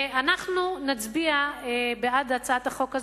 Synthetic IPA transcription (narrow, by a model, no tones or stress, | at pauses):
anaχnunat͡sbiaebeadat͡saat̪aχo̞kaz